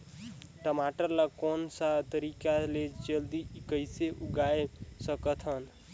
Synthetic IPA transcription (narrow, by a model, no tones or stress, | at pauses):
ʈəmaʈəɾlakonsat̪əɾikalet͡ʃəld̪ikəjseʔuɡaesəkət̪ʰɦən